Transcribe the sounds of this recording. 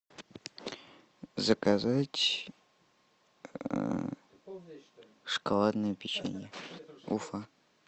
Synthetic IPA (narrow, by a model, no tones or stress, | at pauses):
zəkazatʲ | ʂkalˠad̪nɨjəpʲɪt͡ɕḛnʲəufa